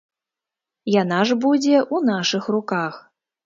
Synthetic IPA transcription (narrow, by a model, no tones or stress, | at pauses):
janaʐbud͡zʲɛʔunaʂɨxrukax